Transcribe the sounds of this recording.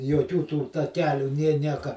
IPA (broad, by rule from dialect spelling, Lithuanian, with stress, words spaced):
joːˈkʲuː tuː tɐˈkʲæːlʲuː nʲeː ˈnʲiɛkɐ